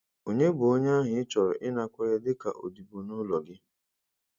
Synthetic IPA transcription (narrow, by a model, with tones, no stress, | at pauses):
o˨ɲe˦bʊ˨o˦ɲ˦a˦ɦʊ˨ɪ˦t͡ʃɔ˨ɾɔ˨ʔɪ˦na˦kʷe˦ɾe˦dɪ˦ka̰˨ʔo̰˨di˨bo˨nʊ˦lɔ˨ɡɪ˦